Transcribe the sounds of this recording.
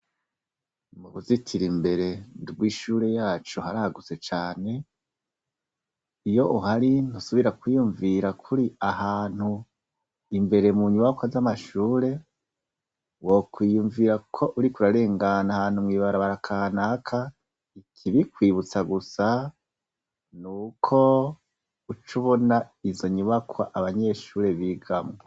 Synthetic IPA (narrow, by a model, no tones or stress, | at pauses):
muβuzitʰiɾimbe̞ɾe̞nduɡwiːʃuːɾe̞jaːt͡ʃuhaɾahaɡut͡se̞t͡ʃaːne̞ | ijo̞ʔuhaɾinusuβiɾakwijuɱviɾakʰuɾiahaːn̥hu | imbe̞ɾe̞muɲuwakazamaʃuːɾe̞ | wokwiːjuɱviɾakʰo̞ʔuɾikuɾaɾe̞ːŋɡanahaːn̥humŋiːβaɾaβaɾakʰanakʰa | ikʰiβikwiːβut͡saɡusa | nuːkʰo̞ | ut͡ʃuβo̞na | izo̞ɲuβakʰwaʔaβaɲe̞ʃuːɾe̞βiɡamŋe